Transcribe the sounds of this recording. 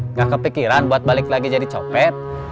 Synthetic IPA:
ŋakəpikiɾanbuat̪̚balɪklaɡid͡ʒadit͡ʃɔpɛt̪̚

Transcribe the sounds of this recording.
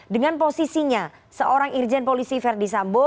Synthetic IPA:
dəŋanposisiɲa | səʔoɾaŋird͡ʒɛnpolisifɛrdisambo

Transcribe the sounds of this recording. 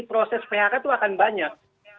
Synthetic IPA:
ipɾosɛspeakat̪uakanbaɲak̚

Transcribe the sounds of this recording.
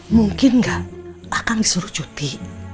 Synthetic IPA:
muŋkɪnŋɡaʔakaŋd̪isuɾu̥ʒ̥ut̪i

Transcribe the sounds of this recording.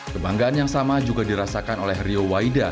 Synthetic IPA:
kəbaŋɡaanjaŋsamad͡ʒuɡadiɾasakanolɛhriowaida

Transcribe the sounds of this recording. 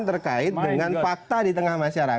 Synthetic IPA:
nt̪ərkaɪt̪̚dəŋanfak̚t̪adit̪əŋahmaʃaɾa

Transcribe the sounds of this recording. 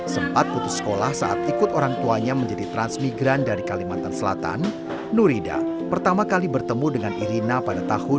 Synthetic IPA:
səmpat̪̚put̪ʊsə̥kolahsaʔat̪ikʊt̪oɾaŋt̪uaɲaməɲd͡ʒadit̪ɾansmiɡɾandaɾikalimant̪ansəla̰t̪a̰nː | uɾida̰ | pərt̪amakalibərt̪əmudəŋanʔiɾinapadat̪ahʊn

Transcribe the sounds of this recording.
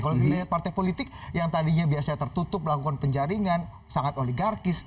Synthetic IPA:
kalonapart̪ajpolit̪ɪk̚jaŋt̪adiɲabiasat̪ərt̪ut̪ʊp̚mlakukanpəɲd͡ʒaɾiŋan | saŋat̪oliɡarkɪs

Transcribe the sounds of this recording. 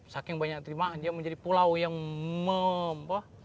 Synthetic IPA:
sakɪŋbaɲak̚t̪əɾimadiaməɲd͡ʒadipulawjaŋməmpah

